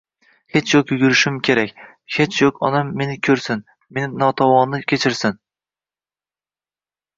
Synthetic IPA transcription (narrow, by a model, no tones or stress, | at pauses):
he̞t͡ʃʰjokjʊɡʲʊɾɪʃɪmkʲʰe̞ɾakʲ | he̞t͡ʃʰjokʰɒnamːe̞nɪkʲʰɵɾsɪn | me̞nɪnɒt̪ʰɒwɒnnɪkʲʰet͡ʃʰɪɾsɪn